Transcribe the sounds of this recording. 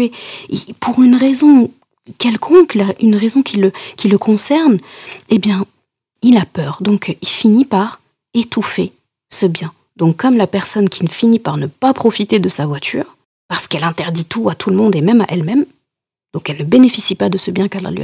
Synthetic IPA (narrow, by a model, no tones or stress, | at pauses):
eḭpʰuʁynʁezɔ̃ | kʲɛlkʰɔ̃klaʔynʁezɔ̃kʲʰiləkʲiləkʰɔ̃sɛʁnebjɛ̃ | ilapœːʁd̪ɔ̃kʰilfinipaʁ | et̪ufe | səbjɛ̃ | d̪̥ɔ̃kːɔmlapɛʁsɔnkʲinəfinipaʁnəpapχɔfit̪ed̪əsavwat̪ʰy̰ːʁ | paʁsə̥kɛlɛ̃t̪ɛʁd̪it̪uat̪ʰuləmɔ̃d̪emɛma̰ʔɛlmɛm | d̪̥ɔ̃kɛlnəbenefisipad̪əsəbjɛ̃kɛla̰lḭ